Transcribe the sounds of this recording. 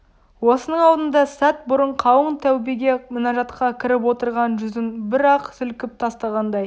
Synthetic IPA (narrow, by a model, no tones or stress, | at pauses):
wo̞sənəɴɑwd̪ənd̪ɑsæt̪̚bʊɾəɴqʰɑwəɴt̪ʰæwbiɡʲe̞mɪnɑʒɑt̪qɑkʲʰɪɾɪp̬wo̞t̪əɾʁɑnʒʏzɪnbɪɾɑqsʏlkʲɪp̚t̪ʰɑst̪ɑʁɑnd̪ɑj